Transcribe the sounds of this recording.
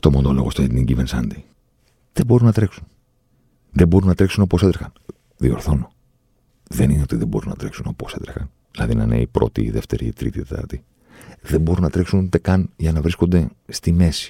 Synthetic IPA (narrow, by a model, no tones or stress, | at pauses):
t̪o̞mond̪olo̞̰ɣost̪oet̪niɟivensɐnd̪i | ðebo̞ɾunɐt̪ɾe̞ksun | ðebo̞ɾunːɐt̪ɾe̞ksuno̞poset̪ɾexɐn | ðio̞̰ɾθo̞no | ðe̞nineot̪iðe̞bo̞ɾunɐt̪ɾe̞ksuno̞po̞se̞̰t̪ɾexɐn | ðilɐðinɐ̰nḛipɾo̞̰t̪iːðe̞ft̪e̞̰ɾiːt̪ɾḭt̪it̪et̪ɐ̰ɾt̪i | ðembo̞ɾunɐt̪ɾe̞ksund̪e̞kɐnʝɐnɐvɾisko̞nd̪e̞st̪ime̞si̥